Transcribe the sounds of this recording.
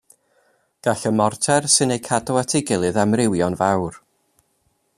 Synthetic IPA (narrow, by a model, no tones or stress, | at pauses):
ɡ̥aɬəmɔrtʰɛrsɨnejkʰadɔwatʰɪɡɪlˠɨðamrɪwjɔnvawr